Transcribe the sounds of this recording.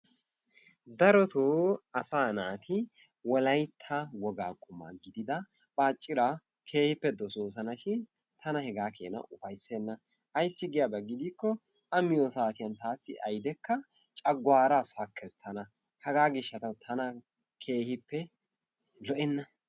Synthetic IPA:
d̪ɐɾɔt̪oːɐsaːnaːt̪ʰɪ | wɔlɐjt̪ʰːawɔɡaːkʼʊmːa̰ɡɪd̪ɪd̪ɐ | b̥aːt͡ʃʼːɪɾa | kʰe̞ːhɪpːɛd̪ɔsoːs̬ɐnɐʃɪn | t̪ʰɐnɐhɛɡaːkʰḛːnɐ̰ʔʊfɐjsːeːnːɐ | ʔɐjsːɪɡɪjabɐɡːɪd̪iːkːɔ | ɐmɪjɔsaːt̪ɪjɐnt̪aːsːɪʔɐjd̪ɛkːɐ | t͡ʃʼɐɡwaːɾasɐkʰːɛst̪ʰɐnɐ | hɐɡaːɡɪʃːɐt̪ɐwt̪ʰɐnɐ | kʰe̞ːhɪpːɛ | lɔʔɛnːɐ

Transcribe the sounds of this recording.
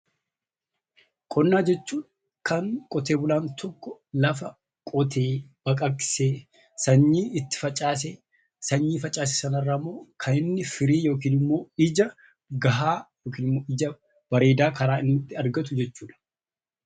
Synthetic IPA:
kʼɔnːaːd͡ʒɛt͡ʃːuːᶑ | kɐŋkʼɔt̪e̞ːbʊlaːnt̪ʰɔkːɔlɐf̬ɐ | kʼɔt̪ʰeːb̥ɐkʼɐkɪ̥seː | sɐɲːiːɪt̪ːɪ̥fɐt͡ʃʼːaːs̬eː | sɐɲːiːfɐt͡ʃʼːaːs̬e̥sɐnɐrːaːɐmːo̞ːkʰɐɪnːɪfɪɾiːjo̞ːk̬iːnɪmːo̞ːɪd͡ʒɐ | ɡɐɦaːjoːkiːnɪmːo̞ːɪd͡ʒɐ | b̥ɐɾe̞ːd̪aːkɐɾaːɪnːɪt̪ːɪɐɾɡɐt̪̬ʊd͡ʒɛt͡ʃːuːᶑɐ̥

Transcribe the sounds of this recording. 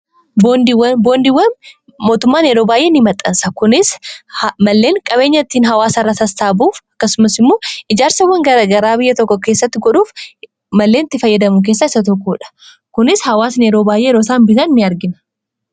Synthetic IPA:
bond̪ɪwɐboːnd̪ɪwːɐn | mo̞ːt̪ʊmːaːnɛɾoːbaːjʔe̞ːnɪmɐt̪ʼːɐ̰nsɐkʊnɪshmɐlːe̞ːŋkʼɐbe̞ːɲːɐt̪ːiːnɦɐwaːsɐrːɐsɐst̪aːbuːfɐ̥kːɐsʊmɐsɪmːoːɪd͡ʒaːɾsɐwːɐŋɡɐɡɐɾaːbɪjːɐt̪ɔkːɔke̞ːsːɐt̪ːɪɡɔᶑuːf | mɐlːe̞ːnɐt̪ːɪfɐjːɐd̪ɐmʊk̬e̞ːsːaːɪsɐt̪̬ɔkːuːᶑɐ̥ | kʊnɪshɐwaːsneɾo̞ːbaːjʔeːɛɾoːsaːnbɪt̪ɐnːɪɐɾɡɪnɐ̥

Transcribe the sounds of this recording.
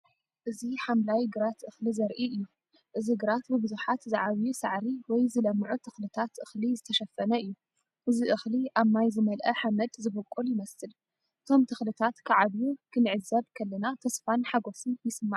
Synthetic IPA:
ʔɨziħamlajɡɨɾat̪ʔɨxlizɐɾʔiʔɨjːu | ʔɨziɡɨɾat̪bɨbɨzuħat̪zaʕaβijusaʕɾiwɔjzɨlɐmːʕut̪ʰɨxlɨt̪ʰat̪ʔɨxlizɨt̪ʰɐʃɐfːɐnɐɨjːu | ʔɨziʔɨxliʔaβmajzɨmɐlʔɐħamɐd̪zɨbɨkʼuljɪmɐsɨl | ʔʔɨt̪ʰo̞mt̪ʰɨxlɨt̪ʰat̪kʰaʕad̪jukʰɨnʕɨzːɐβkʰɐlːɐnat̪ʰɐsfanħaɡo̞sɨnjɪsɨmːa̰ʕ

